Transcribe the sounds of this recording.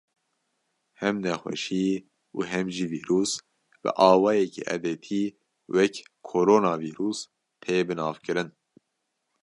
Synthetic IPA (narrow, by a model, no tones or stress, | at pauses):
hɛmnɛxʷɛ̰ʃiː | uɦɛmʒiːviːɾuːs | b̥ɨ̰ʔɑːwɑːjɛkḭːʔɛ̰d̪eːt̪ʰiː | wɛkkʰoɾoːnɑːviːɾuːs | t̪ʰeːbɨnɑːvkɨɾɨn